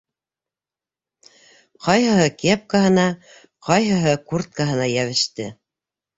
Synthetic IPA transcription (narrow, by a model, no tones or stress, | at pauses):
qɑjɦɤ̆ɦɤkep̚kaɦɤ̆nɑ | qɑjɦɤ̆ɦɤkurt̪̚kaɦɤ̆nɑjæβɘ̆ʃt̪ɘ